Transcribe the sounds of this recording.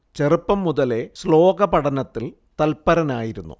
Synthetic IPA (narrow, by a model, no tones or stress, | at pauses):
t͡ɕe̞rupːɐmːuðɐle̞slo̞ːɡɐpɐɽɐnɐt̪ːil | t̪ɐlpɐɾɐnaːjiɾunːṵ